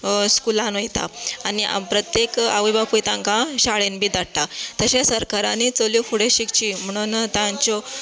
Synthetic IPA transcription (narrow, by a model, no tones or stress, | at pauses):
skulãnojt̪a̰aniʔa̰mpɾət̪jekaʋibapujt̪ãŋkãɕaɭenbʱiːd̪aɽʈ̪at̪əɕẽsəɾkaɾanit͡səljukʰuɽeɕikt͡ɕiːm̤əɽ̃uːnt̪ãɲt͡ɕɔ